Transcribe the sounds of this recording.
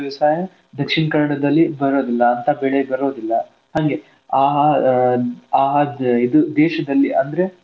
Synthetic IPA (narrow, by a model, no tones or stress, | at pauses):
ʋɐsaːjɐ | d̪ɐkʂiɳɐkɐnɐɽɐd̪ɐlːibɐɾo̞ːd̪ilːɐːnt̪ɐbeɭebɐɾo̞ːd̪ilːɐ | hɐŋɡe̞ | aːɦɐ | aːɦɐid̪ud̪eːʃɐd̪ɐlːiɐnd̪ɐɾe̞